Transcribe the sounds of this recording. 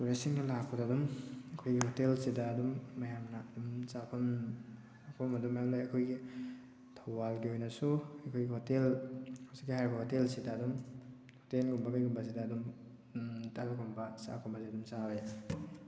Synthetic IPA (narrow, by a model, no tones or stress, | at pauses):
tuɾesiŋnɐlakʰːodadumɐkʰojɡihotelsidɐːdumːɐjamnɐɐdumsapʰɐm | pʰɔmɐdumɐjamlajɐkʰojɡi | tʰawbalɡiojnɐsuɐjkʰojɡihotelsikɡihajɾibɐhotelsidaːdum | hotelɡumbɐɡajɡumbɐs̬idɐːdum | talkʰumbɐsa̰kʰɔmbasiɐdumsabe